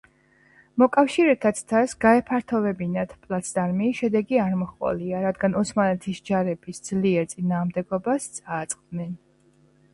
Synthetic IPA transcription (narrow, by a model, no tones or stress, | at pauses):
mɔkʼafʃiɾɛt̪ʰat̪sʰt̪ʰasɡaɛpʰaɾt̪ʰɔvɛbinat̪ʰpʼlˠat̪sʰd̪aɾmiʃɛd̪ɛɡiaɾmɔχʼɔ̰liaɾad̪ɡanɔsmalɛt̪ʰisd͡ʒaɾɛb̥isd̪zliɛɾt̪sʼinaːʁmd̪ɛɡɔbast̪sʼaːt̪sʼqʼd̪nɛn